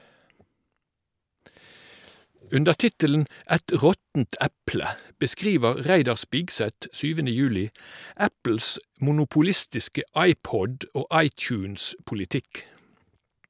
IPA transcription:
ˈʉndəʁ ˈtɪtələn̩ ˈæt ˈʁɔtn̩t ˈæplə bəˈskʁiːʋəʁ ˈʁæɪdɑʁ ˈspɪɡsɛt ˈsyːʋənə ˈjʉːlɪ ˈæpl̩s mʊnʊpʊˈlɪstɪskə ˈʔɑɪˌpɔd ˈoː ˈʔɑɪˌt͡ʃʉːnspʊlɪˌtɪk

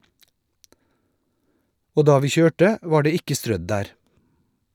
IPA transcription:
ˈoː ˈdɑː ˈʋiː ˈçøːʈə ˈʋɑː ˈɖeː ˈɪkə ˈstɾœd ˈdæːɾ

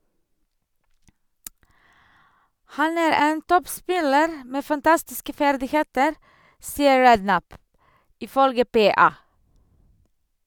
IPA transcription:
ˈhɑn ˈæːɾ ˈeːn ˈtɔpˌspɪləɾ ˈmeː fɑnˈtɑstɪskə ˈfæɾdɪˌheːtəɾ ˈsiːəɹ ˈɹɛdˌnæp ɪˈfœlɡə ˈpeːɑː

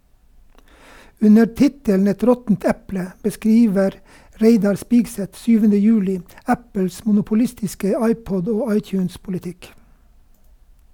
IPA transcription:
ˈʉnə ˈtɪtəln̩ ˈɛt ˈɾɔtn̩t ˈɛplə bəˈskɾiːʋəɾ ˈɾeɪdɑɾ ˈspiːɡˌsɛt ˈsyːʋənə ˈjʉːlɪ ˈæpəls mʊnʊpʊˈlɪstɪskə ˈɑɪˌpɔd ˈoː ˈɑɪˌtjʉːnspʊlɪˌtɪk

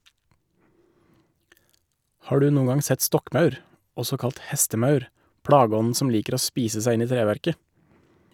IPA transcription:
ˈhɑː ˈɖʉː ˈnuːəŋ ˈɡɑŋ ˈsɛt ˈstɔkˌmɑʉɾ ˈɔsɔ ˈkɑlt ˈhɛstəˌmɑʉɾ ˈpɽɑːɡəˌɔnn̩ ˈsɔm ˈliːkəɾ ˈoː ˈspiːsə ˈsæɪ ˈɪn ˈiː ˈtɾeːʋæɾkə

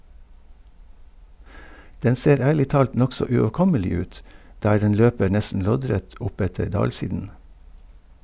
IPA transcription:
ˈdɛn ˈseːɾ ˈæːɭɪ ˈtɑːlt ˈnɔksɔ ʉoːˈkɔməlɪ ˈʉːt ˈdæː ˈɖɛn ˈløːpəɾ ˈnɛsn̩ ˈlɔɟˌɾɛt ˈʔʊˌpɛtəɾ ˈdɑːlˌsiːdən

